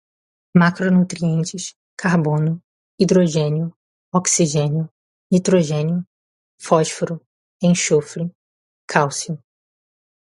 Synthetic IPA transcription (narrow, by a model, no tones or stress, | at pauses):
makɾonut̪ɾiẽnt͡ʃɪʃ | kʰaɾbõnʊ | id̪ɾoʒẽniʊ | ɔksiʒẽnʊ | it̪ɾoʒẽniʊ | fɔʃfoɾʊ | ẽʃofɾi | kʰawsiʊ